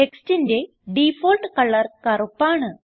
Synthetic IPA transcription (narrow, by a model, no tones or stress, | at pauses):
eksʈind̪e | ɖifolʈkɐləɾkaɾopaɳə